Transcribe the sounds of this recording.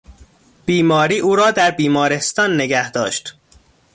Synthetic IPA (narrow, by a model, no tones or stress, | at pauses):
b̥iːmɒːɾiːʔuːɾɒːd̪æɾbiːmɒːɾe̞st̪ɒːnːe̞ɡæhd̪ɒːʃt̪